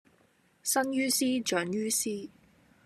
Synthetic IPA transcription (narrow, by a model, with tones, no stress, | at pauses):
sɐ˥njyː˥siː˥t͡ʃœː˨˥ŋjyː˥siː˥